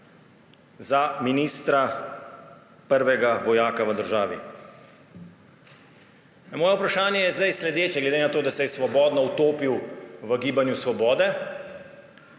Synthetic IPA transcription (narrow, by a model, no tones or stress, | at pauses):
zaminiːst̪ɾa | pəɾʋɛɡaʋɔjaːkaʋəd̪əɾʒaːʋḭ | mɔːjɛupɾaʃaːnjɛjɛzd̪ajslɛd̪eːt͡ʃjɛɡlɛd̪eːnat̪oːd̪asɛjɛsʋɔbɔːd̪nɔwt̪oːpiwʋəɡiːbanjusʋɔbɔːd̪ɛ